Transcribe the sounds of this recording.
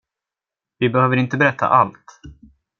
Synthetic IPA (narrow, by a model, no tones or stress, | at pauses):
vɪbɛhøːvəɾɪnt̪əbɛɾɛt̪ʰːa̰ʔalt̪